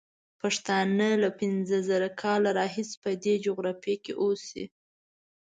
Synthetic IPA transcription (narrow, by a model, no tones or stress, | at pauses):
paʂt̪ɑnəlapɪnzəzəɾakʰɑlaɾɑɦɪspəd̪ed͡ʒoɣɾɑfekḛʔosḭ